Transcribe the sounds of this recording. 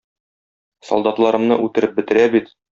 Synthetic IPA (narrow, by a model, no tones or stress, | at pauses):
sɒ̰lˠd̪ɑt̪lˠɑɾɤ̆mnɤʔʉt̪ɘ̆ɾɘp̚bɘ̆t̪ɘ̆ɾæbit̪